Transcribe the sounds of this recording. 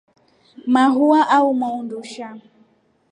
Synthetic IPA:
maɦuaʔaumɔunduʃa

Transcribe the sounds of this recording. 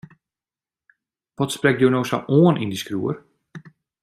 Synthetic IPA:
ʋɔtsprɛk̚djownowsa̰ʔoənʔindiskruər

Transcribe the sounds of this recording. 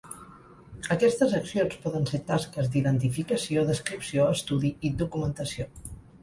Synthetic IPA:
əkɛst̪əzəksionspɔðənset̪askəzd̪iðənt̪ifikəsioðəskɾipsioəst̪uðiid̪ukumənt̪əsio

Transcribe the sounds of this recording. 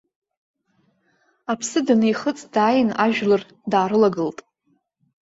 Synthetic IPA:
apʰsɨdanejχət͡sʼdaːjɪnaʒᶣlɨr | daːɾɨlaɡɨltʼ

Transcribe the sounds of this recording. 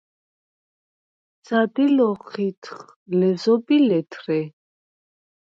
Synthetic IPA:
d̪z̥ad̪ilɔχit̪ʰχ | lɛzɔbilɛt̪ʰɾɛ

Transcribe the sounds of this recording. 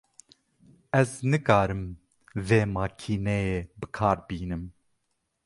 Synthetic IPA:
ɛznɨkɑːɾɨm | veːmɑːkʰiːnɛjeːbɨkʰɑːɾbiːnɨm

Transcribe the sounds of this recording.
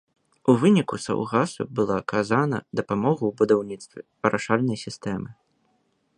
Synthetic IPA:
uvɨnʲikusa̰wɣasṵbɨlˠakʰazanɐ̰d̪ɐpamɔɣɐwbud̪awnʲit̪st̪vʲɛ | ɐɾʔaʂalʲnɐjsʲist̪ɛmɨ

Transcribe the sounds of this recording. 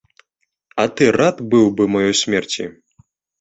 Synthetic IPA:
ɐt̪ɨrat̪bɨwbɨmajɔjsʲmʲɛrt͡sʲḭ

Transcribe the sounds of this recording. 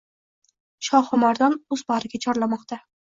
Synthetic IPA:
ʃɒhʊmaɾd̪ɒnʊzbɒɾɪɡʲat͡ʃʰɒɾlamɒqt̪ʰa

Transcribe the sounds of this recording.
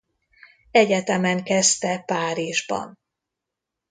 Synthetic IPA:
ɛɟɛt̪ɛmɛŋkɛst̪ɛpaːɾiʒbɒ̰n

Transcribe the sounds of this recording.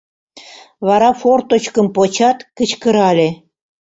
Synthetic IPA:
βɑɾɑfort̪ot͡ɕkə̆mpot͡ɕɑt̪kə̆t͡ɕkə̆ɾɑlʲe

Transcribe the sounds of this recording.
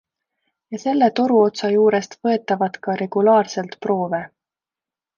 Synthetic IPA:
jɑse̞lːe̞t̪o̞ɾuo̞t̪sɑjuːɾe̞st̪vɤe̞t̪ːˑɑvɑd̪̥kɑɾe̞ɡ̥ulɑːrse̞lt̪pro̞ːve̞

